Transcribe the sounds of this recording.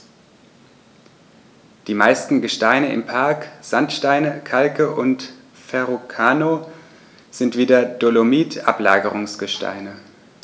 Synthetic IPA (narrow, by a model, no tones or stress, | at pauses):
d̥iːmaɪstn̩ɡəʃtaɪnəɪ̰mpʰaɐkz̥antʃtaɪnəkʰalkəʔʊnt | fɛʁokʰaːno | z̥ɪntv̥iːdɐd̥olomiːtʰʔa̰pla̰ːɡəʁʊŋsɡ̥əʃta̰ɪnə